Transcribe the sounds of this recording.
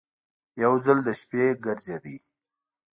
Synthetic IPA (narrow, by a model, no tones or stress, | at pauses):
jawzəld̪əʃpeɡəɾd͡ʒad̪i